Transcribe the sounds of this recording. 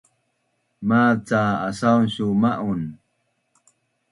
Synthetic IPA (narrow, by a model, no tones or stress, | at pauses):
mat͡saasaunɕumaʔun